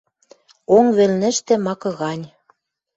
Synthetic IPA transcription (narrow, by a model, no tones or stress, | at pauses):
oŋβĕlnɘ̆ʃt̪ĕmɑkɤ̆ɣɑnʲ